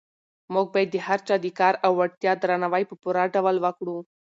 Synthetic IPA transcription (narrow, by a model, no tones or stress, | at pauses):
muɡ̚bad̪ːehaɾt͡ʃad̪ikaɾawːaɽt̪jad̪ɾanaʋajpəpuɾaɖaʋəlʋakɽu